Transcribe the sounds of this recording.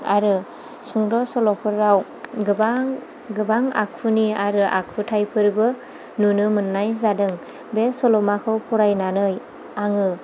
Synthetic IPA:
aɾɯ | suŋdɔsɔlɔpʰɯɾːaw | ɡba | ɡɯbaŋa̰k̚pʰɯniaɾɯʔa̰k̚pʰɯtʰajpʰɯɾbɯ | nunɯmɯnːajzadɯŋ | besɔlɔmakʰɯwpʰɔɾajnanɯj | aŋɯ

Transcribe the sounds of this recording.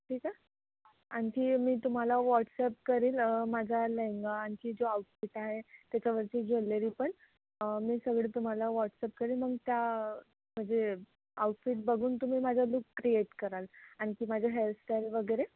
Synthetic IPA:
ʈʰiːka | añkiːmiːt̪um̤alaʋɔʈsɛp̚kəɾiːlmad͡zʱaleŋɡaːñkiːd͡zoauʈfiʈaɦet̪jat͡ɕaʋəɾt͡ɕiːd͡ʑʱelːeɾiːpəɳ | miːsəɡɭet̪um̤alaʋɔʈsɛp̚kəɾiːlməɡt̪ja | m̤əɳd͡ze | a̰uʈfiʈ̚bəɡʱuːnt̪um̤iːmad͡zʱalukːɾieʈkəɾalaɽ̃ikiːmad͡ʑʱaɦelʈeɾʋəɡəɾe

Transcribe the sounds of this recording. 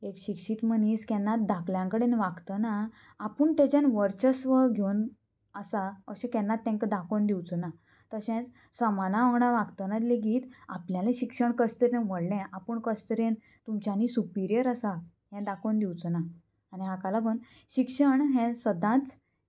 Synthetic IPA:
ekɕikʂit̪m̤əniskɛnːat̪̚d̪akljãŋkəɽenʋaɡt̪ənaː | pəɳt̪ed͡ʑanʋəɾt͡ɕəsʋəɡʱewn | əsaəɕẽkɛ̃nːat̪ːɛ̃ŋkəd̪akʰond̪iwt͡səna | t̪əɕɛ̃t͡s | səmanaʋaɡɳaʋaɡt̪ənat̪leɡiːt̪a̰pljalẽɕikʂəɳkəst̪əɾẽnʋəɽlɛ̃ʔapəɳkəst̪əɾẽn | t̪umt͡ɕanisupiɾjəɾəsa | ɦɛ̃d̪akʰond̪iwt͡sənaː | niɦãkalaɡʱon | ɕikʂəɳɦɛ̃səd̪ãt͡s

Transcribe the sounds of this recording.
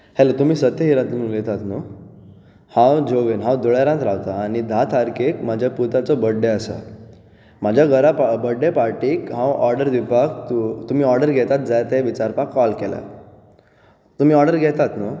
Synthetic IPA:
hɛlət̪um̤iːsət̪jəɦiɾãnt̪nuːlet̪at̪no | hãwd͡ʑoʋinɦãwd̪uɭjaɾãt̪ɾawt̪aːñid̪ʱat̪ʰaɾkekmad͡ʑʱjaput̪at͡sɔbəɖeəsa̰ | mad͡ʑʱjaɡəɾapabəɖːepaɾʈiːkɦãwɔɾɖəɾd̪ibakt̪ut̪um̤iːɔɾɖəɾɡʱɛt̪at̪̚d͡zajt̪eʋit͡ɕaɾpakːɔlkɛla̰ | t̪um̤iːɔɾɖəɾɡʱɛt̪at̪no

